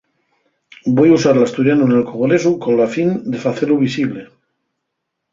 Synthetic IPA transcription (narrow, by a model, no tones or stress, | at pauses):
bo̞jausaɾlast̪uɾjanunelkoɣole̞suko̞nlafind̪e̞faθe̞luβisiβle̞